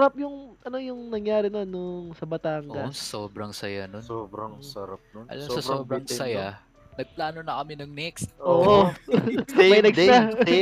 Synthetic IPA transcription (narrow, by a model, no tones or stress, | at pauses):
ɾap̚jʊŋʔɐno̞jʊŋnɐŋjaːɾɪnɐnʊŋsɐbɐt̪aːŋɡɐsoːbɾɐŋsɐjanonoɾɐɐɾaʔɐ̰lɐmsɐsoːbɾɐŋsɐja | nɐɡ̚plaːnonɐkɐmɪnɐŋnɛkst̪ʔʔoːʔo | mɐjnɐɡ̪a